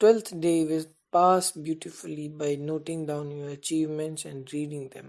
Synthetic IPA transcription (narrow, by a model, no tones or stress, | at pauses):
ʈwɛlt̪ʰɖeːʋɪz | paːsbjuːʈɪfʊlibaɪnoːʈɪ̃ŋd̪ãʊ̃njɔːɾət͡ʃiːʋmɛ̃nʈsɛ̃ɳɖɾiːɖɪ̃ŋd̪ɛ̃m